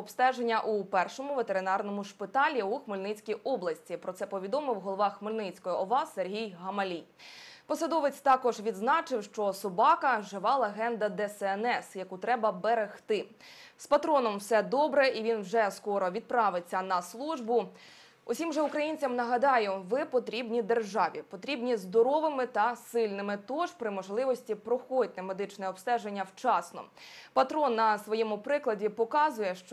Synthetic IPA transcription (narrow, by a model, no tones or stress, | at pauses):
ɔpst̪ɛʒenʲːɐʔupɛrʃɔmʊʋet̪eɾɪnɑrnɔmʊʃpɪt̪ɑlʲiuxmɪlʲnɪt͡sʲkʲijʔɔblˠɐsʲtʲipɾɔt̪sɛpɔʋʲid̪ɔmɪwɦɔlˠɔʋɑxmɪlʲnɪt͡sʲkɔjɔʔɔʋɑserʲɦʲijɦɐmɐlʲij | pɔsɐd̪ɔʋɪt͡sʲt̪ɑkɔʒʋʲid̪znɑt͡ʃɪwʃt͡ʃɔsɔbɑkɐʒɪʋɑlˠeɦɛnd̪ɐd̪ɛsɛɛnɛsjɐkut̪ɾɛbɐbeɾext̪ɪ | spɐt̪ɾɔnɔmwsɛd̪ɔbɾɛʔiʋʲinwʒɛskɔɾɔʋʲid̪̚pɾɑʋɪt͡sʲːɐnɐslˠuʒbʊ | ʊsʲimʒɛʊkɾɐjinʲt͡sʲɐmnɐɦɐd̪ɑjʊʋɪpɔt̪ɾʲibnʲid̪e̞rʒɑʋʲipɔt̪ɾʲibnʲizd̪ɔɾɔʋɪmɪt̪ɐsɪlʲnɪmɪt̪ɔʒpɾɪmɔʒlˠɪʋɔsʲtʲipɾɔxɔd̚ʲnɛmed̪ɪt͡ʃnɛɔpst̪ɛʒenʲːɐwt͡ʃɑsnɔ̰pɐt̪ɾɔnːɐsʋɔjɛmʊpɾɪklˠɐdʲipɔkɑzʊjɛʃt͡ʃɔ